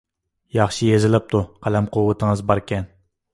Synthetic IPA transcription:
jɑχʃijezɪlɪp̚t̪ʰuqʰælɛmqʰowːɨt̪ʰəŋɨzbɑɾkʲɛn

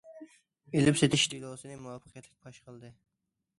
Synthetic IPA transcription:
elɪpset̪ʰɪʃt̪lˠosɨnɨmuwɑpʰːə̥qʰjɛt̪ʰlɪk̚ʲbʰɑʃqəlˠd̪ɨ

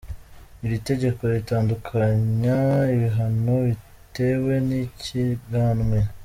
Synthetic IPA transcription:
iβite̞ɟe̞ko̞ɾitaːndukʰaɲaiβiɦanoβi | te̞we̞niciɡaːnŋwe̞

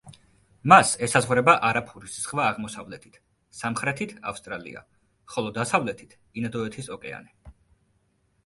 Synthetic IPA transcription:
masɛsazʁvɾɛbaʔaɾapʰuɾisz̥ʁvaːʁmɔsavlɛt̪ʰi̥t̪ʰ | samχɾɛt̪ʰit̪ʰa̰fst̪ʼɾalḭa̰ | χɔlˠɔd̪asavlɛt̪ʰi̥t̪ʰ | inad̪ɔɛt̪ʰisɔkʼɛa̰nɛ

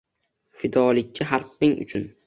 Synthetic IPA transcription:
fɪd̪ɒlˠɪkʲʰːaɦaɾf̚ɪŋʊ̰t͡ʃʰʊn

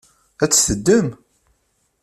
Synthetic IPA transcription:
æt͡sːθəd̪ːəm

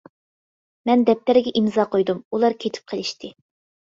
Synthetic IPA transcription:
mɛnd̪ɛp̚t̪æɾɪɡʲɛʔimzɑːqʰojd̪umulˠɑɾkʲʰet̪ʰɪ̥p̚qʰəlˠɪʃt̪ʰɪ

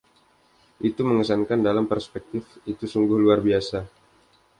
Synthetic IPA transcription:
ʔit̪uməŋəsankandalampərspɛk̚t̪ɪfit̪usuŋɡʊhluarbiasa

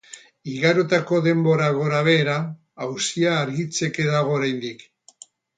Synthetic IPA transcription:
iɣaɾo̞t̪ako̞ðe̞mbo̞ɾaɣo̞ɾaβ̞e̞ːɾaː | wsiaːɾɣit͡se̞ke̞ðaɣ̞o̞ːɾajnd̪ik

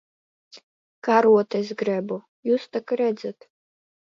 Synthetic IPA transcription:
kaɾuɔt̪esɡɾɛbu | juːst̪akaɾɛd̪zat̪

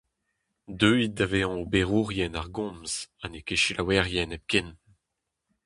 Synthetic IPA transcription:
d̪øit̚daveɑ̃obeʁuʁjɛnaʁɡɔ̃mz̥anekeʃilawɛʁjɛnɛp̚kɛn

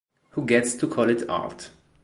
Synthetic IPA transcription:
huɡɛtstʰukʰɔlˠɪtɑ̰lt

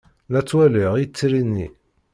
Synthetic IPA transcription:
læt͡sːwæləʁjit͡sːiɾinːi

